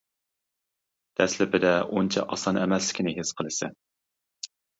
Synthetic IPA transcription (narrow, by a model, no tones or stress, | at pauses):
d̪̥ɛslɪpɪd̪ɛont͡ʃʰɛ̰ʔɑ̰sɑnɛmɛslɪ̥kʲʰinɪɦɪsqʰəlˠɨsɪ